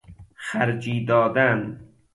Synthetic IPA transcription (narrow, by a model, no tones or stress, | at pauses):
xæɾd͡ʒiːd̪ɒːd̪æn